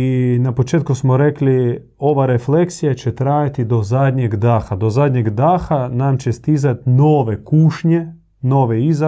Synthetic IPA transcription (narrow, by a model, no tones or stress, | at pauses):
inapot͡ʃeːt̪̚kusmoɾekli | o̞ʋaɾefle̞ksijat͡ɕet̪ɾaːjat̪id̪o̞zad̪ɲeɡd̪aːxad̪o̞zaːd̪ɲeɡd̪aːxanamt͡ɕest̪izat̪noːʋe̞kuːʃɲe | no̞ːʋeiza